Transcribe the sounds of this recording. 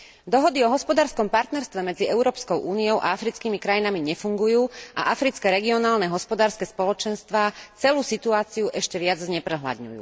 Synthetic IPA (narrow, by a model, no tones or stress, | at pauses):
d̪ɔɦɔd̪iɔɦɔspɔd̪aːɾskɔmpaɾt̪nɛɾst̪ʋɛmɛd͡ziɛʊɾɔːpskɔʊʔuːniɔʊʔa̰afɾit͡skiːmikɾajinamiɲɛfuŋɡujuːʔa̰ʔafɾit͡skɛɾɛɡiɔnaːlnɛɦɔspɔd̪aːɾskɛspɔlɔt͡ʃɛnst̪ʋaːt͡sɛluːsit̪uaːt͡siuʔɛʃcɛʋɪad͡zzɲɛpɾɛɦla̰d̪ɲṵjṵː